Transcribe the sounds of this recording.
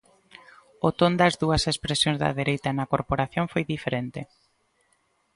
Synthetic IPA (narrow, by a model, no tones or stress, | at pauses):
ʊt̪ond̪ɐzðuɐsespɾesjõŋzðɐ̰ðeɾejt̪ɐnɐkoɾpoɾaθjoŋfojðifeɾent̪ɪ